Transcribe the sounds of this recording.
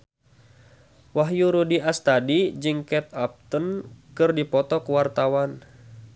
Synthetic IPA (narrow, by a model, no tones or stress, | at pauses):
waɦjuɾudiast̪adid͡ʒɨŋkɛt̪̚ap̚t̪ənkɨrdipɔt̪ɔkwart̪awan